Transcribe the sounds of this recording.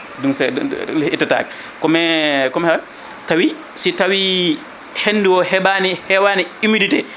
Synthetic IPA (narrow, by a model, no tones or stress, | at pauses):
dunsɛ̰itːata̰ːɡɛ | kɔmɛkɔmhɛban | tawi | sitawi | henːdiwɔhɛbanihɛwaːniimiditɛ